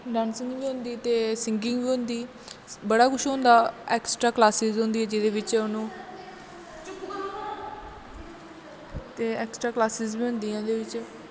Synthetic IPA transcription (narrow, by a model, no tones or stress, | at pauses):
ɖaːnsɪ̃ŋiːɦʊ̃nd̪iːt̪eːsɪŋɡɪ̃ŋɡbiːɦʊ̃nd̪iː | bəɽaːkʰʊʃɦõːnd̪aːɛːksʈɾaːklaːsɪzɦʊ̃nd̪iːɛːd͡ʒɪd̪eːʋɪt͡ʃʊnũː | t̪eːɛːksʈɾaːklaːsɪzbiːɦʊ̃nd̪iːãːd̪eːʋɪt͡ʃ